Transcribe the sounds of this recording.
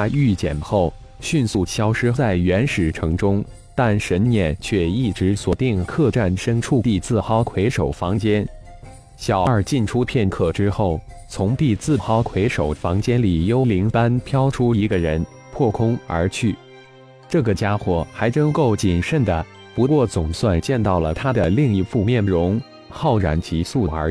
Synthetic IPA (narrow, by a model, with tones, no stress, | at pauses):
y˥˩t͡ɕjɛ̰˨˩nxo˥˩ʊ | ɕy˥˧nsu˥˩ɕʰjɑ˥ʊʂɻ̩˥t͡sa˥˩ɪɥɛ˧˥nʂɻ̩˨˩ʈ͡ʂʰɤ˧˥ŋʈ͡ʂʊ˥ŋ | t̪a˥˩nʂə˧˥nnjɛ˥˩nt͡ɕʰɥɛ˥˧i˥˩ʈ͡ʂɻ̩˧˥swɔ˨˩t̪i˥˩ŋkʰɤ˥˧ʈ͡ʂa˥˩nʂə˥ŋʈ͡ʂʰu˥˩t̪i˥˧t͡sɹ̩˥˩xɑ˥ʊkʰwe˧˥ɪʂo˨˩ʊfɑ˧˥ŋt͡ɕjɛ˥n | ɕjɑ˨˩ʊə˞˥˩t͡ɕi˥˩nʈ͡ʂʰu˥pʰjɛ˥˧nkʰɤ˥˩ʈ͡ʂɻ̩˥xo˥˩ʊt͡sʰʊ˧˥ŋt̪i˥˧t͡sɹ̩˥˩xɑ˥ʊkʰwe˧˥ɪʂo˨˩ʊfɑ˧˥ŋt͡ɕjɛ˥nli˨˩jo˥ʊli˧˥ŋta˥npʰjɑ˥ʊʈ͡ʂʰu˥i˧˥ɡə˧ɻə˧˥n | pʰwɔ˥˩kʰʊ˥ŋə̰˞˧˥t͡ɕʰy˥˩ | ʈ͡ʂɤ˥˩ɡə˩t͡ɕja˥xwɔ˨˩xa˧˥ɪʈ͡ʂɤ˥ŋko˥˩ʊt͡ɕi˨˩nʂə˥˩nd̪ə˩ | pu˧˥kwɔ˥˩t͡sʊ˨˩ŋswa˥˧nt͡ɕjɛ˥˧nt̪ɑ˥˩ʊlə˩t̪ʰa˥d̪ə˨li˥˧ŋi˧˥˧fu˥˧mjɛ˥˩nɻʊ˧˥ŋ | xɑ˥˩ʊɻa̰˨˩nt͡ɕʰi˧˥su˥˩ə̰˞˧˥